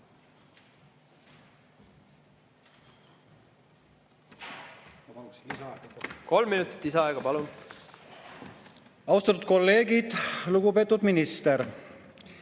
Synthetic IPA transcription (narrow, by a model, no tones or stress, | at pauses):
ko̞lmːinut̪ːˑi̥t̪ːˑisɑɑeɡ̥ɑpɑlun | ɑuwst̪ɑt̪ːˑud̪̚ko̞lːe̞ːɡid̪̥luɡupe̞ːt̪ːˑud̪minist̪eɾ